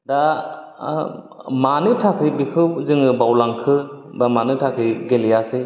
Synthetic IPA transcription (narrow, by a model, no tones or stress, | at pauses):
da | manɯtʰakʰɯjbikʰɯwzɯŋɯbawlaŋkʰɯ | bamanɯtʰakʰɯjɡelijasɯ